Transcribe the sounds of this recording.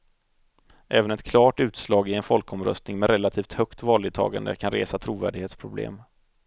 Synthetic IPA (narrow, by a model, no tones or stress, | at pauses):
ʔɛːvənɛt̪kʰlɑːʈʉ̟ːt̪slɑːɡɪɛnfɔlkɔmɾœ̰st̪nɪŋmɛɾɛlat̪ʰiːft̪hœkt̪vɑːlɪt̪ʰɑ̰ːɡa̰nd̪ə̰kʰanɾeːsat̪ʰɾuːvæ̰ːɖɪɡheːt̪spʰɾʊblḛːm